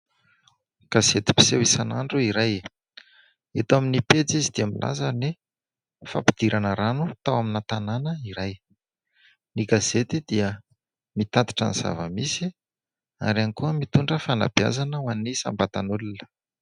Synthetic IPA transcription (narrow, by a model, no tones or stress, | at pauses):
ɡ̥azet̪i̥pi̥sewisanaɳɖ͡ʐuiɾaj | et̪aminipet͡sizid̪iamilʔa̰zani | fa̰pid̪̥iɾʔanəɾanut̪awaminat̪ananəiɾaj | niɡazet̪id̪̥iə | mit̪at̪i̥ʈ͡ʂa̰niz̥a̰və̰misi | a̰ɾanikuəmit̪uɳɖ͡ʐəfana̰b̥ia̰zanəwanisa̰mbat̪anulunə̥